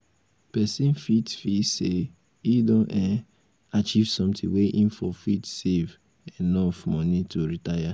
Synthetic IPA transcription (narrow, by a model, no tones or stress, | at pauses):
pɛsĩnfitfise | idõʔɛ | at͡ʃivsɔ̃mtʰɪ̰̃ŋweʔĩnfɔfitsev | ɛnɔfmɔ̃nitʰoɾitaja